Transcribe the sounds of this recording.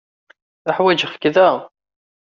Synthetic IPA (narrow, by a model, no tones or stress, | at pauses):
aħwæd͡ʒəfkðæ